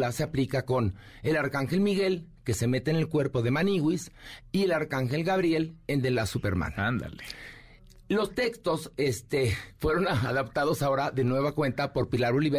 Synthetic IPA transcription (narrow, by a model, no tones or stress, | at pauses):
lase̞aplikako̞n | e̞laɾkaŋxe̞lmiɣe̞lke̞se̞me̞t̪ene̞lkwe̞ɾpo̞ðe̞maniɣwisie̞laɾkaŋxe̞lɣaβɾje̞lend̪elasupe̞̰ɾmã̰nand̪a̰le | lo̞st̪ekst̪osest̪efwe̞ɾo̞naaðapt̪aðo̞sao̞ɾaðe̞nwe̞β̞akwe̞nt̪apo̞ɾpilaɾoliβe